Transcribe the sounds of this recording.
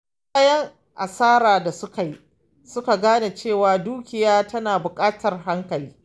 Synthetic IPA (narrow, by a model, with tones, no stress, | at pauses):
kɐ˦jɐ˦ŋ | ʔa˨saː˦ɾaː˨da˨sʊ˦ka˨ji˦ | sʊ˦ka˨ɡaː˦na˨t͡ʃeː˦˨waː˨duː˦kʲɪ˨jaː˦tɐ˦naː˨bʊ˨kʼaː˦tɐ˨rɦa˦ŋkɐ˨liː˦